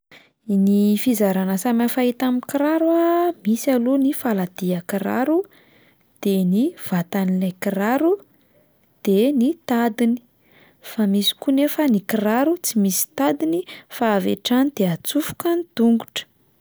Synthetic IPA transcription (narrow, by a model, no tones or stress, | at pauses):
nifizaɾanəsamafait̪amikiɾaɾuamisalunifalad̪̥iakiɾa̰ɾu | d̪̥eniv̥at̪anilajkiraɾu | d̪̥enit̪ad̪ini̥ | famisi̥kunefənikiraɾut͡simisi̥t̪ad̪inifaːvḛʈ͡ʂanid̪̥eat͡sufu̥kanit̪uŋɡu̥ʈ͡ʂə̥